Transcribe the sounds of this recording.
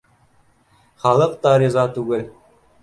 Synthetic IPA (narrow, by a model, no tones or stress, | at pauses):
χɑlˠɤqt̪ɑɾizɑt̪uɡɘ̆l